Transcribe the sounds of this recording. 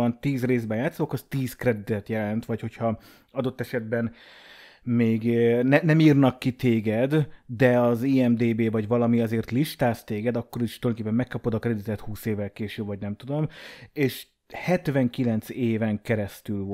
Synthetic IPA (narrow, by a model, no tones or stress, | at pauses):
ɒnt̪iːzreːzbɛjaːt̪sookɒst̪iːzkrɛd̪it̪ɛt̪jɛlɛnt̪ʋɒcho̞chɒ | ɒd̪o̞t̪ːɛʃɛd̪̚bɛn | meːɡnɛnɛmiːrnɒkːit̪eːɡɛd̪d̪ɛɒziːɛmd̪eːbeːvɒɟvɒlɒmiɒzeːrt̪liʃt̪aːst̪eːɡɛd̪ɒkːo̞ɾiʃt̪ulej̪kepːɛmːɛkːɒpod̪ɒkɾrɛd̪it̪ɛt̪huːseːvɛlkeːʃybvɒɟnɛmt̪ud̪o̞meːʃ | hɛt̪ʋɛŋkilɛnt̪seːvɛŋkɛɾɛst̪yl